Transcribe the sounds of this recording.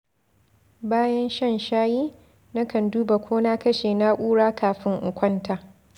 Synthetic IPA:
baː˦jɐ˦nʃɐ˦˨nʃaː˦jiː˦ | na˦kɐ˨nduː˦ba˨kʷʰoː˦na˦kɐ˦ʃeː˨na˦ʔʷʼuː˦ɽaː˦kʰaː˨ɸɪ˦ŋʔʊ˨kʷɐ˦ntaː˨

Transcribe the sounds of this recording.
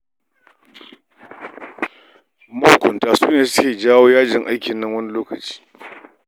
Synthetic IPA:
mɐ˦hkʷʊ˨ntaː˨suː˦neː˨sʊ̥˦kʲeː˨d͡ʒaː˦woː˦jaː˦d͡ʒɪ˨ŋʔa˦jkʲɪ˨nːɐ˦ŋwɐ˦ni˦loː˦kɐ˨t͡ʃi̥ː˦

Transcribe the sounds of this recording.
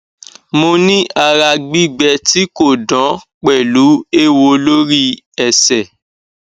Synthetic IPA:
mo˧nĩ˦ʔa˧ɾa˧ɡ͡bi˦ɡ͡bɛ˧ti˦ko˦˨dã˨˦k͡pɛ˨lu˨˦e˦wo˧lo˦ɾi˦ | ɛ˨sɛ˨

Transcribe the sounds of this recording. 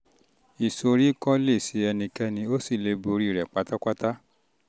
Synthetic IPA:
i˨so˧ɾi˦˨kɔ˦le˦˨si˨˧˦ɛ˧nĩ˧kɛ˦nĩ˧o˦si˦˨le˧˦bo˧ɾi˦i˨ɾɛ˨k͡pa˧˦ta˦ka˦ta˦

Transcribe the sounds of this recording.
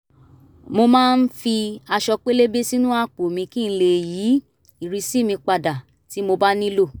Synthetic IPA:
mo˧mãː˦˧n̩˦fi˧a˧ʃɔ˧k͡pe˦le˦be˦si˦nũ˦a˦k͡po˨mĩ˧kĩ˦˨n̩˦˧le˦˨jiː˨˦ | i˨ɾi˧si˦˨mĩ˧k͡pa˧da˨ | ti˨˦mo˧ba˦nĩ˦lo˦˨

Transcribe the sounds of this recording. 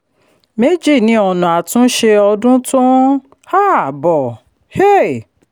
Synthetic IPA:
me˦d͡ʒi˦˨nĩ˨˦ɔ˧˨nũ˨a˨tũ˦ʃe˧ɔ˧dũ˦tũ˦ | ha˦˨bɔ˨ | he˦˨

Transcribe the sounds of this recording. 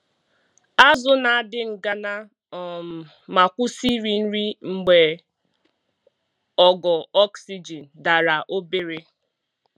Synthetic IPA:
a˦zʊ˦na˨a˦˨dɪ˦ŋ̩˨ɡa˦na˦˨ | ma˨kʷʊ˦si˦ɾi˨n̩˦ɾi˦ŋ͡m̩˨ɡ͡be˨ | ɔ˨ɡɔ˨ɔ˦ksi˦d͡ʒi˨n̩˨da˨ɾa˨ʔo˦be˦ɾe˦

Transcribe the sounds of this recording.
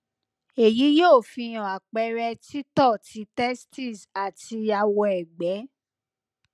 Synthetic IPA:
e˨ji˨˦joː˦˨fĩ˧j̃ɔ̃˨a˨k͡pɛ˧˦ɾɛ˧ti˦tɔ˦˨ti˧˦tɛ˦sti˦˨sa˨ti˧a˧wɔ˧ɛ˨ɡ͡bɛ˨˦

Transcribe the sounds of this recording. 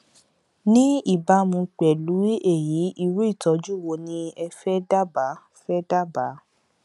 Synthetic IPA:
nĩ˦i˦˨ba˧˦mũ˧k͡pɛ˨lu˨˦e˦˨ji˨˦ʔi˧ɾu˦i˦˨tɔ˨˦d͡ʒu˦˨wo˧nĩ˧ɛ˧fɛ˦da˦ba˨˦ | fɛ˦da˦˨ba˨˦

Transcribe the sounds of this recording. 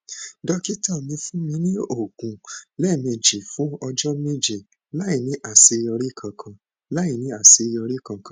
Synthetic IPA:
dɔ˧ki˦tã˦˨mĩ˨˧˦fũ˦mĩ˧˦nĩ˦o˦˨ɡũ˨lɛ˦˨mẽ˧d͡ʒe˨fũ˨˦ɔ˧d͡ʒɔ˦me˦d͡ʒe˨ | la˦i˨nĩ˨˦ʔa˦˨se˨˧jɔ˧ɾe˦˨kʰã˧kʰã˧ | la˦i˨nĩ˨˦a˨se˧jɔ˧ɾe˦˨kã˧˨kã˨˦

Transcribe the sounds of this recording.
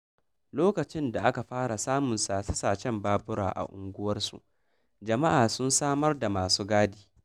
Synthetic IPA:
loː˦kɐ˨t͡ʃɪ˦nda˨ʔa˦ka˨ɸaː˦ɽa˨saː˦mʊ˨nsa˨sɐ˦saː˨t͡ʃɛ˦mbaː˦bʊ˦ɽa̰ː˨ʔa̰˨ʔʊ˨ŋɡʷʊ˦wɐ˦rsṵ˨ʔ | d͡ʒɐ˨ma˦ʔaː˨sʊ˦nsaː˦mɐ˦rda˨maː˨suː˦ɡaː˦diː˨˦

